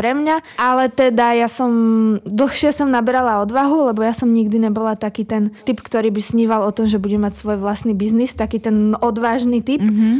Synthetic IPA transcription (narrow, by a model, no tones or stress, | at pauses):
pɾɛmɲaʔalɛt̪ɛd̪ajasɔmd̪l̩ˠxʃɪɛsɔmnabɛɾalaɔd̪ʋaɦulɛbɔjasɔmɲiɡd̪iɲɛbɔlat̪akiːt̪ɛnt̪ipkt̪ɔɾiːbisɲiːʋalɔt̪ɔmʒɛbuɟɛmacsʋɔjʋlast̪niːbiznist̪akiːt̪ɛnɔd̪ʋaːʒniːt̪ip